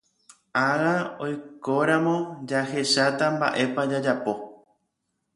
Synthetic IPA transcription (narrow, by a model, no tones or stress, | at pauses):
aɣao̞jko̞ɾãmõ̞d͡ʒahe̞ʃat̪amba̰ʔe̞pad͡ʒad͡ʒapo̞